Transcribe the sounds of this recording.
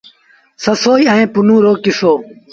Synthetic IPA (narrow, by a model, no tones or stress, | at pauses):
səsoːiɐẽːpʊnũːɾoːkɪsoː